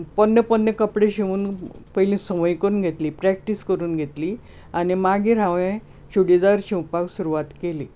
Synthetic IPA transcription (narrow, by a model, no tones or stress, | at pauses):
pənːjəpənːjəkəpɽeɕeʋuːnpəɦilĩsəməjkəɾuːnɡʱet̪liːpɾæk̚ʈiskəɾuːnɡʱet̪liː | animaɡiɾãʋẽ | ɕuɽid̪aɾt͡ɕĩupaɡsuɾuʋat̪keliː